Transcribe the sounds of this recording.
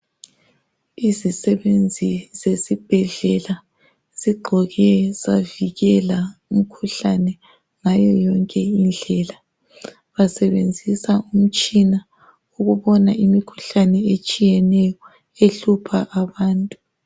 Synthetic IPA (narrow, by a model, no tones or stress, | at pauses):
izisɛβend͡zʱizesib̥ʱɛɮɛla | z̥iɡ͡ǃʱɔɣɛzaviɣɛlaum̩kʰuɬanɛ | ŋajɔjɔŋkʼɛind͡ɮʱɛːla | βasɛβend͡zʱisaum̩t͡ʃʼina | uɣuβɔnaʔimikʰu̥ɬanɛet͡ʃʼijɛnɛjɔ | eɬupʰaʔaβaːntʼu